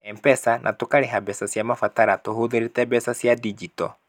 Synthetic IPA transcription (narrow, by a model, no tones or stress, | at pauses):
ɛmpɛsanʔa̰tokaɾeɦabɛsasjamafataɾatoɦoðeɾetɛbɛsasjadid͡ʒitɔ̰